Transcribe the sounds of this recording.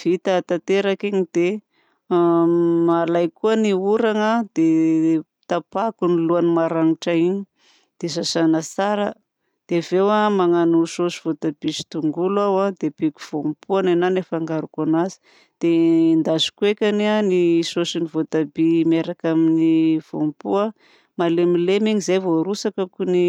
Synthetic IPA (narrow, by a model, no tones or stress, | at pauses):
v̥it̪at̪at̪eɾakiɲid̪e | malajkuəniuɾaŋad̪̥e | t̪apakuniluanimaɾaŋiʈ͡ʂaiɲi | d̪̥esasanət͡saɾə | d̪̥evewamaŋanusosi̥v̥ot̪ab̥isi̥t̪uŋɡulawad̪eb̥ikʲu̥v̥ompʰuanananefaŋɡaɾukanazi̥ | d̪̥end̪azu̥kuekʲanianisosinivot̪abimeɾakaminiv̥o̰mpua | malemilemiɲizejvoɾusakakuni